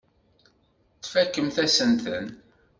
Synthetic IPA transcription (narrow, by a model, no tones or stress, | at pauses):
t͡sːfækːəmθæsənt̪ən